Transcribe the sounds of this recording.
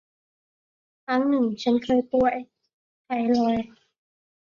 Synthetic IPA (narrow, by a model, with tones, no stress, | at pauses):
kʰa˦˥ŋnɯ˨˩ŋt͡ɕʰa˦˥nkʰɤː˧jp̪u˧˩əj | t̪ʰa˧˩jlɔː˧j